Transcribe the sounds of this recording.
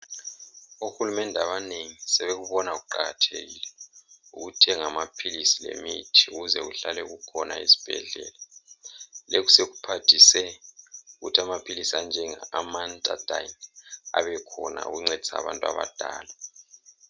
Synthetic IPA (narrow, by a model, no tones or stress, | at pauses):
uxulumɛndʱaβaneŋisɛβeɣuβɔnaɣuǃaɣatʰḛɣilɛuɣutʰɛŋamapʰilisilḛmitʰiuɣuzɛɣuɬalɛṵɣukʰɔna̰izi̥b̥ʱɛ̰ɮɛ̰ːla | leku̥seɣupʰatʰisɛuɣutʰiamapʰilisiand͡ʒʱɛŋamantʼa̰d̥ʱana̰βɛkʰɔna̰ṵɣuŋ͡ǀed̥ʱi̥sa̰βa̰ntʼwa̰βa̰d̥ʱaːla